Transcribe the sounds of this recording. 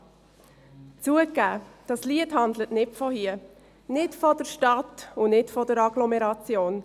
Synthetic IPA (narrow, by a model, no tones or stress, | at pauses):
t͡suəkːæːd̥ɑsliəthɑndlətnɪtfɔhiə | nɪtfɔd̥əʃtɑtʊnɪtfɔdəɾɑɡlɔmɛɾɑt͡sjoːn